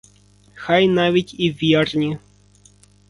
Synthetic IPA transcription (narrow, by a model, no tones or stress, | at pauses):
xɑjnɑʋʲitʲiʋʲɛrnʲi